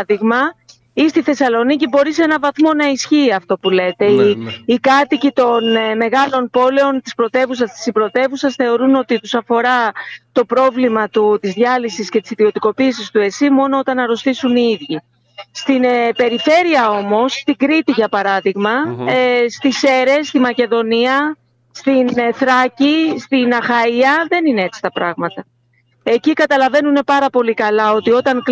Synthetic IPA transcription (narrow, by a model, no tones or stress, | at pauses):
ðiɣmɐ | ist̪iθe̞sɐlo̞nicibo̞ɾisenɐvɐθmo̞nɐisçiːɐft̪o̞pule̞t̪e̞ːkɐt̪icit̪o̞nme̞ɣɐlo̞npo̞le̞o̞nt̪ispɾo̞t̪e̞vusɐst̪i̥sibɾo̞t̪e̞vusɐsθe̞o̞ɾuno̞t̪it̪usɐfo̞ɾɐt̪o̞pɾo̞vlimɐt̪ut̪izðʝɐlisisce̞t̪i̥siðio̞t̪iko̞piːsist̪ue̞simo̞no̞o̞t̪ɐnɐɾo̞st̪isuniiðʝi | st̪inpe̞ɾife̞ɾiɐo̞mo̞sːt̪iɡɾit̪iʝɐpɐɾɐðiɣmɐ | st̪ise̞ɾe̞st̪imɐce̞ðo̞niɐ | st̪inθɾɐcist̪inɐxɐiɐðe̞ninee̞t͡si̥t̪ɐpɾɐɣmɐt̪ɐ | e̞cikɐt̪ɐlɐve̞nune̞pɐɾɐpo̞likɐlɐo̞t̪io̞t̪ɐŋk